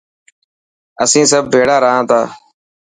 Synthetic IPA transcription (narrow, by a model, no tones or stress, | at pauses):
əsĩːsəb̚ːʱeːɽaːɾəɦãːt̪aː